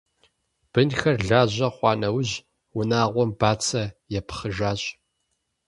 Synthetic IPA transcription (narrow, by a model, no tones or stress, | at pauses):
b̥ɨnxɐrɮaːʑɐχʷɑːnɐwʑ | wʊnaːʁʷɔmbaːt͡sʰɐjɛpʰχəʒaːɕʼ